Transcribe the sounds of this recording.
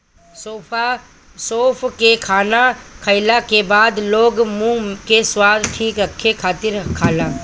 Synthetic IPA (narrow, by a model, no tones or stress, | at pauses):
soːpa | soːpʰkekʰaːnakʰəɪlakebaːd̪loːɡmũkeswaːd̪ʈʰiːkɾəkʰːekʰaːt̪ɪɾkʰaːlaː